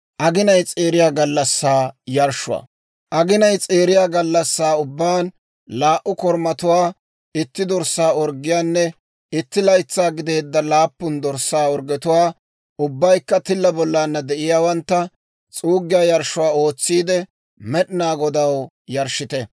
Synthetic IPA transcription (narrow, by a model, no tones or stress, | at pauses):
ʔɐɡɪnɐjt͡sʼe̞ːɾɪjaːɡɐlːɐsːaːjɐɾʃʊwa̰ː | ʔɐɡɪnɐjt͡sʼe̞ːɾɪjaːɡɐlːɐsːaːʊbːaːn | laːʔʊkɔɾmɐt̪ʊwaː | ɪt̪ːɪd̪ɔɾsːaːɔɾɡɪjaːnːɛ | ɪt̪ːɪlɐjt͡sːaːɡɪd̪e̞ːd̪ːɐlaːpːʊnd̪ɔɾsːaːɔɾɡɛt̪ʊwaː | ʊbːɐjkːɐt̪ɪlːɐbɔlːaːnːɐd̪ɛʔɪjaːwɐnt̪ːɐ | t͡sʼuːɡːɪjaːjɐɾʃʊwaːo̞ːt͡sːiːd̪ɛ | mɛɗɪnaːɡɔd̪ɐw | jɐɾʃɪt̪ɛ